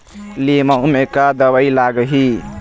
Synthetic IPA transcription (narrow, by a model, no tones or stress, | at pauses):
limaumekad̪əβəjlaɡəɦi